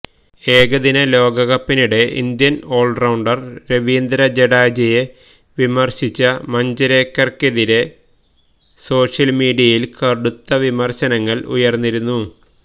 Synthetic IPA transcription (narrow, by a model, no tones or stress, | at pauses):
e̞ːɡɐðinɐlo̞ːɡɐɣɐpːiniɽe̞ʔḭnd̪jɐno̞ːɭɖrɐwɳɖɐrɾeʋiːnd̪ɾɐd͡ʑeɽaːd͡ʑije | ʋimɐrɕit͡ɕːɐmɐɲd͡ʑɐɾeːkːɐrkeðiɾe̞ | so̞ːʂjɐlmiːɽijɐjilkɐɽut̪ːɐʋimɐrɕɐnɐŋːɐɭṵjɐrnːiɾunːu